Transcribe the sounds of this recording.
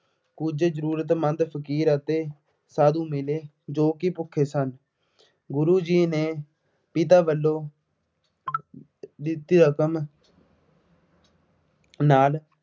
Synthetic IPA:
kʊd͡ʒzəɾuːɾət̪̬mə̃nd̪pʰəkiːɾət̪eː | saːd̪ũːmɪleː | d͡ʒoːkipʊkʰːeːsən | ɡʊɾuːd͡ʒiːneː | pɪt̪̬aːʋəlːõː | d̪ɪt̪iːɾəkəm | naːl

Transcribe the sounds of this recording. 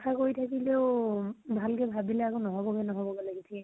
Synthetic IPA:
tʰakoɹitʰakileʊbʱalkɛbʱabilɛakonɔɦɔbɔɡɛnɔɦɔbɔɡɛlaɡitʰiɛ

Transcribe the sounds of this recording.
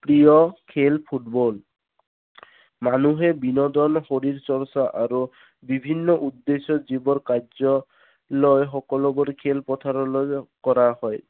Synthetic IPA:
pɾijɔkʰelpʰuʈbɔl | manuɦebinɔd̪ɔnxoɾiɾt͡ʃɔɹsaʔaɾu | bibʱinːɔʔud̪ːesɔzibɔɾkazɔ | lɔjxɔkɔlɔbɔɾkʰelpɔt̪ʰaɾɔlɔjkɔɾahɔj

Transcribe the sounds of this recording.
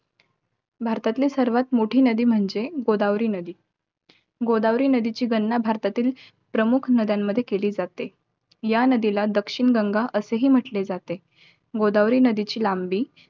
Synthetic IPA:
bʱaɾt̪at̪liːsəɾʋat̪moʈʰiːnəd̪iːm̤əɳd͡zeɡod̪aʋɾiːnəd̪iː | ɡod̪aʋɾiːnəd̪it͡ɕiːɡənːabʱaɾt̪at̪iːl | pɾəmukʰnəd̪jamːəd̪ʱːjekeliːd͡zat̪e | janəd̪ilad̪əkʂiɳɡəŋɡaʔəseɦiːm̤əʈled͡zat̪e | ɡod̪aʋɾiːnəd̪it͡ɕiːlambiː

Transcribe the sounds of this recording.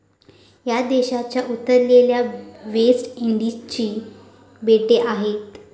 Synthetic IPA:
jad̪eɕat͡ɕjaʔut̪ːəɾleljaʋesʈeɳɖit͡ɕiː | beʈeʔaɦet̪

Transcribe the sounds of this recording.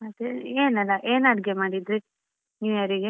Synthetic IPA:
ɐd̪eeːnɛlːɐʔeːnɐɽɡemaːɽid̪ɾi | iʋɐɾiɡe

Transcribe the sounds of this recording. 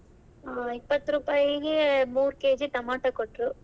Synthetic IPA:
ipːɐt̪ːɾuːpaːjiɡemuːɾkeːd͡ʒit̪ɐmaːʈɐkoʈːɾu

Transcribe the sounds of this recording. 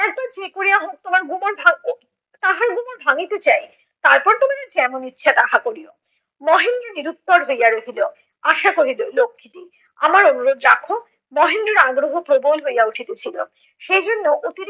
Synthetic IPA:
ɛk̚bat͡ɕekoɾijaɦok̚t̪omaɾɡumoɾbʱa | t̪aɦaɾɡumoɾbʱaŋit̪et͡ɕaj | t̪aɾpɔɾt̪omaket͡ɕeɛmonitːɕʰad̪aɦakoɾio | mɔɦinoɾniɾut̪ːoɾɦojaɾoɦilo | aʃakoɦilolokʰːit̪i | a̰maɾonuɾod̪ɾakʰo | mɔɦinoɾaɡɾoɦopɾobolɦojauʈʰit̪et͡ɕʰilo̰ | ʃejd͡ʑonːoʔot̪iɾ

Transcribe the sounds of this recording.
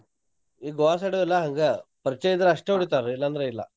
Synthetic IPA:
iɡoaːs̬ɐɽɐilːɐɦɐŋɡɐpɐɾt͡ʃːeːjd̪ɐɾɐʂʈeuɽit̪aːɾilːɐːnd̪ɐɾeilːɐ̰

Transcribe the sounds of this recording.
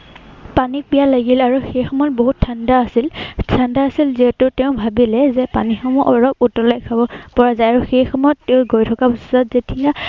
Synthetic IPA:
panik̚bijalaɡilaɹuxejxɔmɔjɔt̚boɦutʰːandaːsiltʰandaːsilziɦɛtʊtɛʊ̃bʱabilɛzɛpanixɔmɔʔɔɹɔk̚utɔlajkʰabɔpɔɹazajaɹuxejxɔmɔjɔtːɛʊ̃ɡojtʰɔkabuszatzetija

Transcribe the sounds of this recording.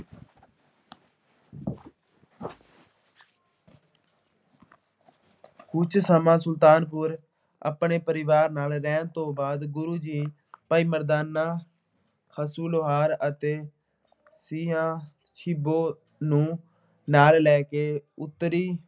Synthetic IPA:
kʊt͡ʃʰsəmãːsʊlt̪aːnp̬ʊɾ | ə̰pɳeːpəɾɪʋaːɾnaːlɾɛːnt̪õːbaːd̪ɡʊɾuːd͡ʒiː | paːiːməɾd̪aːnaː | kʰəsuːloɦaːɾət̪eː | siːɦãː | ʃʰɪboː | nũː | naːllɛːkeːʊt̪ːɾiː

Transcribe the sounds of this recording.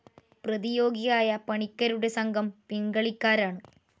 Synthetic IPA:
pɾɐðijoːɡɪjaːjɐpɐɳɪkːɐɾɯɽesɐŋɡɐmpɪŋɡɐɭɪkːaːɾaːɳɯ

